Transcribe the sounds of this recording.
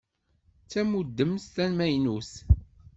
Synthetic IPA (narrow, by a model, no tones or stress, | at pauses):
t͡sːæmud̪ːəmst̪ænmæjnus